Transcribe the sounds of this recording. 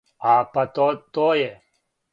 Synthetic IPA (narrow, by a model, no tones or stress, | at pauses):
aːpɐt̪ot̪oje